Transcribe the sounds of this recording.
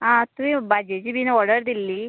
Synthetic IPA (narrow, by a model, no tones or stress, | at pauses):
ɦãt̪uĩbad͡ʑet͡ɕiːbʱinɔɽəɾd̪ilːiː